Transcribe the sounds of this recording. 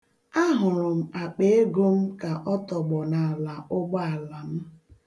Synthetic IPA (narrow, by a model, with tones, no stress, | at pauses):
a˦ɦʊ˨ɾʊ˨m̩˨a˨k͡pe˦e˦ɡo˦m̩˦ka˨ʔɔ˦tɔ˨ɡ͡bɔ˨na˨a˨la˨ʔʊ˦ɡ͡bɔ˦a˨la˨m̩˦